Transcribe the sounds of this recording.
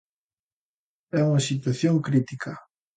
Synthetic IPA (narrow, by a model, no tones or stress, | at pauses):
ɛuŋasit̪waθjoŋkɾit̪ikʰa